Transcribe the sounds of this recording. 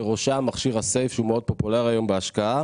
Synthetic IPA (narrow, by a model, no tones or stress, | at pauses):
eʁo̞ʃamaχʃiʁase̞jfʃumeo̞d̪̚po̞polaʁajo̞mbeaʃkaa